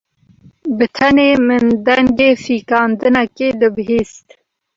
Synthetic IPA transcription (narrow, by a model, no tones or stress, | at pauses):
bɨt̪ʰɛneːmɨnd̪ɛŋɡeːfiːkɑːnd̪ɨnɛkeːd̪ɨbɨɦeːst̪